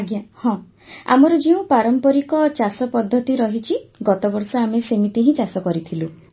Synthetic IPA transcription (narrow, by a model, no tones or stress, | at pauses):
ɡjahɔ̃ | a̰mɔɾɔd͡ʒeũpaɾɔmpɔɾikɔt͡ʃasɔpɔd̪ʱːɔt̪iɾɔɦit͡ʃʰiɡɔt̪ɔbɔɾsɔamesemit̪iɦĩt͡ʃasɔkɔɾit̪ʰilu